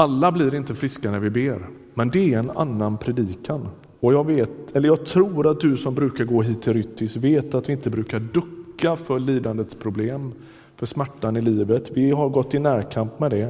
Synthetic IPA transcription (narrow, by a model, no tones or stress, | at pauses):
alːablɪɾɪnt̪əfɾɪskanæɾvɪbeːɾ | mɛnd̪ɛæɾɛna̰nːanpʰɾɛd̪iːkʰan | ɔjɑːɡveːt̪ɛlːəɾjɑːɡt̪ʰɾuːɾat̪̚d̪ɵsɔmbɾʉ̟ːkaɾɡoːɦiːt̪ʰːɪlɾʏt̪ʰːɪsveːt̪at̪vɪɪnt̪əbɾʉ̟ːkaɖɵkːafœɭiːd̪and̪ət̪spʰɾʊbleːm | fœʂmæʈːanɪliːvət̪vɪɦaɾɡɔt̪ːɪnæːɾkʰampmɛd̪ɛ